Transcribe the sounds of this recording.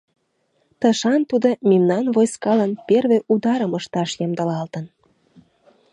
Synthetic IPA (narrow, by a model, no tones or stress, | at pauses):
t̪əʃɑnt̪ud̪omʲimnɑnvojskɑlənperβeʔud̪ɑɾəməʃt̪ɑʃjɑmd̪əlɑlt̪ən